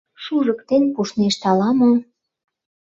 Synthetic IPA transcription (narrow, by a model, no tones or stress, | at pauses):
ʃuʒɤ̆kt̪enpuʃneʃt̪ɑlɑmɤ̆